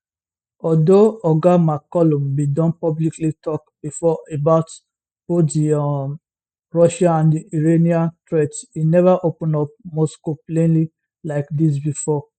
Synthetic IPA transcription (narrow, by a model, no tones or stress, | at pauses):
ɔdoɔɡamakɔlɔ̃mbidɔ̃npɔbliklitɔkbifɔebaʊt | odi | ɹɔʃãnãndiiɹeniãntɾetinɛvaʔopũnɔp̚moskoplẽnli | laɪkdis̬bifɔ